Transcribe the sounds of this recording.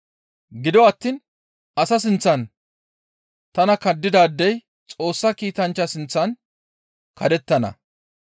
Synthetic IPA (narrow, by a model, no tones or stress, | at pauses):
ɡɪd̪ɔɐt̪ːiːn | ɐsɐs̬ɪnt͡sːɐn | t̪ɐnɐkɐd̪ːɪd̪aːd̪ːɛj | t͡sʼo̞ːsːɐkiːt̪ɐnt͡ʃːɐsɪnt͡sːɐn | kʰɐd̪ɛt̪ːɐnɐ̰